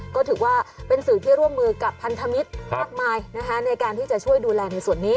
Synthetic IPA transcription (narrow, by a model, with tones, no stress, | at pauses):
kɔː˥˩t̪ʰɯː˩˦waː˥˩pe˧nsɯː˨˩˦t̪ʰiː˥˩ɾu˥˩əmːɯː˧ka˨˩pʰːa˧nt̪ʰa˧mi˦˥t̪̚maː˥˩k̚maː˧jna˦˥kʰa˦˥na˧jkaː˧nt̪ʰiː˥˩t͡ɕa˨˩ʔt͡ɕʰu˥˩əjduː˧lɛː˧na˧jsu˨˩ənːiː˦˥